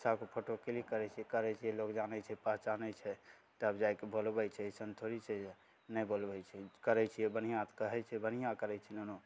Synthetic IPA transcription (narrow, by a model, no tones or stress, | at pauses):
sakepʰoʈokelikəɾɛt͡ʃʰiɛkəɾɛt͡ʃʰiɛlokd͡ʒanɛt͡ʃʰɛpəɦt͡ʃanɛt͡ʃʰɛ | ʈəpd͡ʒajkebolbɛt͡ʃʰɛsənt̪ʰoɾit͡ʃʰɛ | nɛjbolbɛjt͡ʃʰɛkəɾɛt͡ʃʰijɛbənijãt̪kəɦɛt͡ʃʰɛbənijãkəɾɛt͡ʃʰɛnono